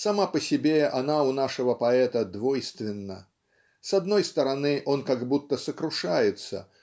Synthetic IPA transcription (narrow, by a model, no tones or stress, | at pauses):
sɐmapəsʲɪbʲeanaʊnaʂəvəpɐɛt̪əd̪vo̞jst̪vʲɪnːə̰ | sɐd̪no̞jst̪əɾɐnɨʔo̞nkaɡbut̪ːəsəkɾʊʂajɪt̪sə̰